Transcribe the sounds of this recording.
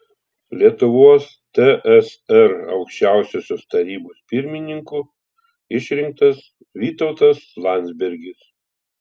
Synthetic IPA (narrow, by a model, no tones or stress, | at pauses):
lʲiɛt̪ʊʋuɔs | t̪ʲɛʔɛsɛɾɐ̰ʊkʃʲt͡ʃʲæˑʊsʲoːsʲoːst̪ɐɾʲiːboːspʲɪɾʲmʲɪnʲɪŋkʊ | ɪʃʲɾʲɪŋk̚t̪ɐs | ʋʲiːt̪ɔʊt̪ɐslˠɑnʲd̪zʲbʲɛɾʲɡʲɪs